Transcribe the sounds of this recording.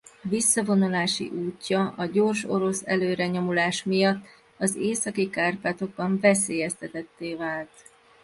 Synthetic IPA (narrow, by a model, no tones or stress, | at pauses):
visːɒvo̞nulaːʃḭʔuːcːɒʔɒɟo̞rʃo̞ɾo̞sɛ̰løːɾɛɲo̞mulaːʃmijɒt̪ː | ɒzeːsɒkikaːrpaːt̪o̞ɡ̚bɒɱvɛs̬eːjɛst̪ɛt̪ɛt̪ːeːvaːlt̪